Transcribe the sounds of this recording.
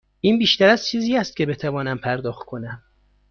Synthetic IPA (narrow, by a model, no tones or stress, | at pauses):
ʔiːnbiːʃt̪æɾæzt͡ʃʰiːziːæst̪̚cʰe̞be̞t̪ʰævɒːnæmpʰæɾd̪ɒːxt̪̚kʰo̞næm